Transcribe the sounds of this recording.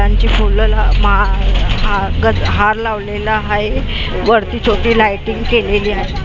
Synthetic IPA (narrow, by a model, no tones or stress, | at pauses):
aɲt͡ɕiːfʰullamɦaɦaɡəd͡zɦaɾlaʋlelaɦaɦeʋəɾt̪iːt͡sʰoʈiːlajʈiŋɡkeleliːaɦe